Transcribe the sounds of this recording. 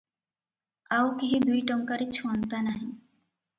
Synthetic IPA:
aukiɦĩd̪ujʈɔŋkaɾit͡ʃʰuant̪anaɦĩ

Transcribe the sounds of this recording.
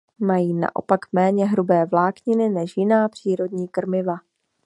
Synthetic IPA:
majiːna̰ʔo̰pakmɛːɲɛɦɾubɛːvlaːkɲɪnɪnɛʃjɪnaːpr̥iːɾo̞dɲiːkr̩mɪva

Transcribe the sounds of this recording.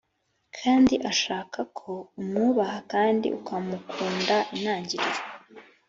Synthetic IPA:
kʰaːndiʔaʃaːkʰakʰo̞umŋuːβahakaːndḭʔukʰamukʰuːndaʔinaːɲɟiɾize

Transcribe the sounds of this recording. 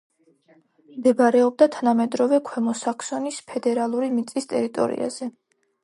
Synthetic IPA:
md̪ɛbaɾɛɔb̚d̪at̪ʰanamɛd̪ɾɔvɛkʰwɛmɔsakʰsɔnispʰɛd̪ɛɾalˠuɾimit̪sʼist̪ʼɛɾit̪ʼɔ̰ɾḭa̰z̥ɛ

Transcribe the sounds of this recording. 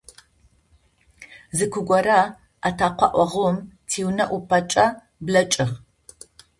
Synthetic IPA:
zɨkʷʰʊɡʷɔɾa | atʰaːqʷɑ̰ʔʷɔʁumtʰiːwnɐʔupʰɐt͡ʃʼɐ | blɐt͡ʃʼɪʁ

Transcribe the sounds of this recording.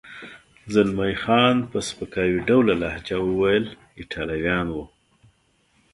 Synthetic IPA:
zalmajxɑnpəspəkɑwiɖawlalahd͡ʒawəwajəl | ɪʈʰɑlawjɑnwu

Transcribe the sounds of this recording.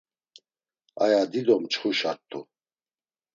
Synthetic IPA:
ajad̪id̪ɔmt͡ʃχuʃaɾt̪ʰʼːu

